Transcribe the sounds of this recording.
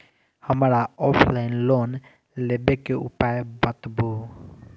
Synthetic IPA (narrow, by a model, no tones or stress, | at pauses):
hamaɾaɔpʰlajnlɔn | lɛbɛkɛṵpajbat̪bu